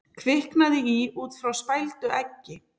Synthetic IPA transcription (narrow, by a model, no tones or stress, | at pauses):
kʰvɪhknaðɪiuːt̪fɾawspajlt̪ʏʔɛcːɪ